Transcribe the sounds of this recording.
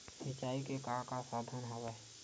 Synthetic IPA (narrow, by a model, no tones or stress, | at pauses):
sɪt͡ʃaːikekakasaːd̪ʱənɦowɛː